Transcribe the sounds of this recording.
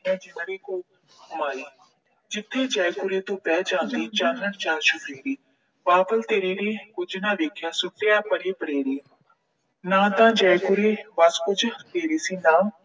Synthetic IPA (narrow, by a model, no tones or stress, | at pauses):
ɛ̃d͡ʒɪnɾiːkoː | maːɾiː | d͡ʒɪt̪ʰːed͡ʒaːjkʊɾeːt̪ũːpɛːd͡ʒãːnd̪it͡ʃãːnəɽt͡ʃaːʃupeːɾiː | ʋaːpəlt̪eːɾenekʊd͡ʒnaʋeːkʰjaːsʊkːjaːpəɽipəɽeːɾiː | nãːt̪ãːd͡ʒaːjkʊɾeːʋaskʊd͡ʒt̪eːɾiːsiːnaːm